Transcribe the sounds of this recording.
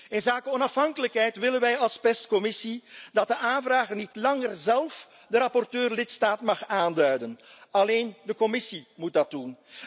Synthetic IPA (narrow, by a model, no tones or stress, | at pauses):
ɪnzaːkəɔnɑfɦɑŋkələkɦɛjtʋɪlənʋɛjɑlˠspɛstkɔmɪsidɑt̚dəʔaːnvraːɣərnitlɑŋərzɛlˠf | dəɾɑpɔrtøːrlɪtstaːtmɑχaːndœɥdənɑleːndəkɔmɪsimut̚dɑt̚dun